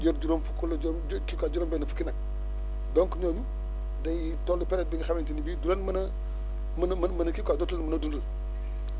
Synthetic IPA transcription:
d͡ʒoɾd͡ʒuɾomfukulːd͡ʒkikʷad͡ʒuɾombenəfukinak | doŋkunoɲu | dajtolupɛɾɛt̚biɡixamentinibiduɾanməna | mnmmənɐkikadotulmunadunul

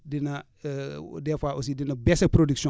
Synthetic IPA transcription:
dinɐ | dɛfaʔosidinɐbɛsɐpɾodiksɔ̃

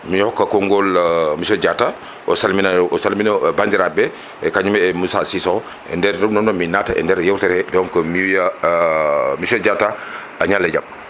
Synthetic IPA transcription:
mihɔkːakɔŋɡɔlmisɔd͡ʒatːa | ʔɔsalminaʔɔsalminabandiɾabɛ | ɛkaɲumɛɛmusasisɔ | ɛ̰ndɛɾdɔnɔnɔminataʔɛ̰ndɛɾjɛwtɛɾɛdɔŋkɔmiwija | misɔd͡ʒatːa | aɲalːɛd͡ʒam

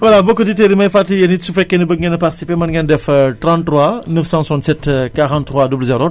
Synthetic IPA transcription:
walabokːəditeɾimɐjfatːijɐnitsufɛkːenibəŋɡenɐparti̥sipemɐnɡɐndɛftɾãntːɾwanəfsɑ̃santsɛtkaʁãnt̪ːχwadublzeɾo

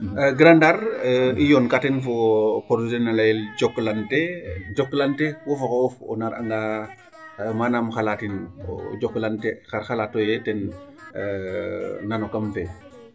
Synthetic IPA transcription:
ɡɾandaɾijonkatɛnfopoɾzenalajeld͡ʒoklanted͡ʒoklantewofokaofɔ̰naɾa̰ŋɡa | manamxalatin̰d͡ʒokːlantexaɾxalatojetɛn | nanokamfe

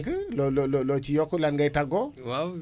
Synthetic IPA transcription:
kɨlolololot͡ʃijokulanɡajtaɡɔwa

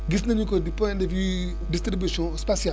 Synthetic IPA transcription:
ɡisnẽnukodipɔ̃ndevju | dist̪ɾibjuʃɔ̃spasia

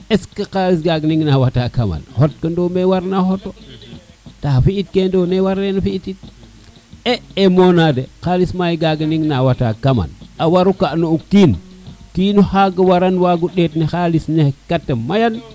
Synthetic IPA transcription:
eskəkalis̬ɡaɡniŋnawatakama̰nhot̚kəndomewaɾnahoto | tafiit̚kendonewaɾenafiitit̚ | eemonadekalismajiɡaɡniŋnawata̰kama̰nawaɾukaʔnoukin | kinuhaɡəwaɾanwaɡuɗetnexalisnehkatːemajan

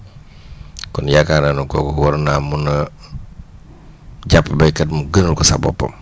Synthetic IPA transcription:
kɔnjakananuŋkɔːkɔwɔɾnamunɐ | ɟapːəbɐjkɐtmuɡənəlkɔsabɔ̰pːɐ̰m

